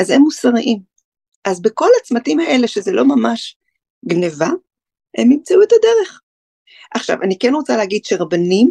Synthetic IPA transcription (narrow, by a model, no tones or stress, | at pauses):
azemːusaʁiʔim | ʔazbeko̞lat͡smatimae̞le̞ʃe̞zelo̞mamaʃ | ɡneva | e̞mːimt͡sauetad̪eʁe̞χ | ʔaχʃa̰vanikenʁo̞t͡saleɦaɡid̥̪ʃeʁabanim